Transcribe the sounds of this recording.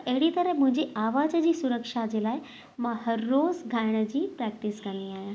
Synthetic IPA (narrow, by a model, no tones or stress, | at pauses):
ʔeɦɽit̪əɾəɦmʊ̃ɦɪ̃ɲd͡ʑeʔaʋad͡ʑəd͡ʑiːsuɾəkʂad͡ʑelaːj | məhəɾːozɡʱajɽ̃əd͡ʑiːpɾɛk̚ʈisɡʱaniaːɦjã